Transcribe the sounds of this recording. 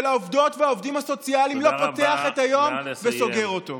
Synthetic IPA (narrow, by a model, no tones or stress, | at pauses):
elaovd̪o̞tveaovd̪imhaso̞t͡sialimlo̞pot̪e̞aχe̞tajo̞mveso̞ɡe̞ʁo̞to̞̰